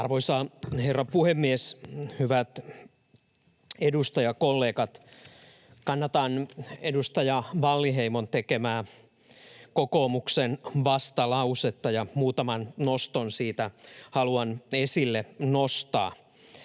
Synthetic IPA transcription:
ɑrʋoisɑːherːɑpuhemːieshyʋæt̪ | edust̪ɑjɑkolːeːkɑt̪ | kɑnːɑt̪ɑnedust̪ɑjɑʋɑlːiɦeimont̪ekemæː | kokoːmuksenʋɑst̪ɑlɑuset̪ːɑjɑmuːt̪ɑmɑnnost̪onsiːt̪æhɑluɑnesilːenost̪ɑ̰ː

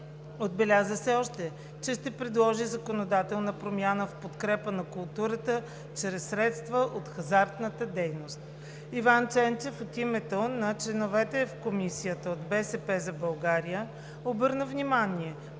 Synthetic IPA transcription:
od̪bɛlʲazəsɛɔʃt̪ɛ | t͡ʃɛʃt̪ɛpɾɛd̪lˠɔʒizəkonod̪at̪ɛlˠnəpɾomʲjanəfpot̪kɾɛpənɐkʊlˠt̪uɾət̪ə | t͡ʃɾɛsːɾɛt̪st̪vəʔot̪xɐzaɾt̪nət̪əd̪ɛjnost̪ | ivant͡ʃɛnt͡ʃɛfot̪imɛt̪ənɐt͡ʃlɛnovɛt̪ɛfkomisijət̪əod̪bɛsɛpɛzɐbɐlˠɡaɾijə | obɤɾnəvnimaniɛ

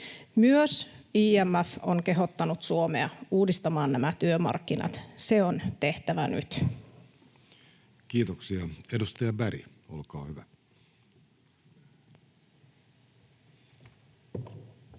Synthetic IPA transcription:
myøsiːæmːæfoŋke̞ɦo̞t̪ːɑnut̪suomeɑuːdist̪ɑmɑːnnæmæt̪yømɑ̰rkːinɑ̰t̪seont̪e̞ht̪æʋæny̰t̪ | kiːt̪oksiɑedust̪ɑjɑbæɾḭo̰lkɑ̰ːhyʋæ

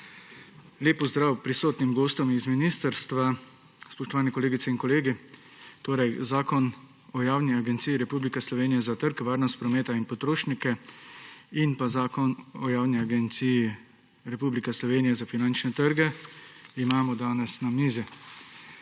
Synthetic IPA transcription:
ljeːpːɔzd̪ɾaːwpɾisoːt̪nimɡoːst̪ɔmizminiːst̪əɾst̪ʋa | spɔʃt̪ɔʋaːnɛkɔleːɡit̪sɛinkɔleːɡi | t̪oːɾɛjzaːkɔn | ɔjaːwniaɡɛnt̪siːjiɾɛpublikɛslɔʋeːnijɛzat̪əɾkʋaːɾnɔst̪̚pɾɔmeːt̪ainpɔt̪ɾoːʃnikɛ | inpazaːkɔnɔjaːwniaɡɛnt̪siji | ɾɛpublikɛslɔʋeːnijɛzafinant͡ʃnɛt̪əɾɡɛ | imaːmɔd̪aːnɛsnamiːzi

